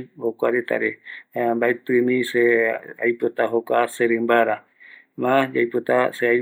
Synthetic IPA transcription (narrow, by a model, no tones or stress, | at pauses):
hokʷaɾet̪a̰ɾembaet̪ɨmĩseajpot̪aɦokʷaseɾɨmbaɾa | mãd͡ʒajpot̪aseaj